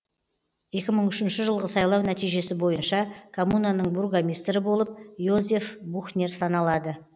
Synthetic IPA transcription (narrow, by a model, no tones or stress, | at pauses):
je̞kʲɪməɴʏʃɪnʃɪʒəlˠʁəsɑjlˠɑwnæt̪ijʒe̞sɪbo̞jənʃɑkʰomunanəɴburɡamʲist̪ɾɪbo̞lˠəp̚jozʲe̞fbuxnʲe̞rsɑnɑlˠɑd̪ə